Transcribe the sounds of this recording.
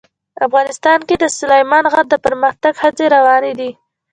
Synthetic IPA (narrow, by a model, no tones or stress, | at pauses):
afɣɑnɪst̪ɑnked̪əsʊlajmɑnɣaɾ̚d̪əpəɾməxt̪aɡhat͡seɾawɑned̪i